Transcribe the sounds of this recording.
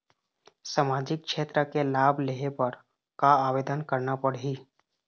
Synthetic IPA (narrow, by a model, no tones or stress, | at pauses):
samaːd͡ʒɪk̚kʃeːt̪ɾəkelaːbleɦepəɾ | kaaːʋeːd̪ənkəɾnapəɽiː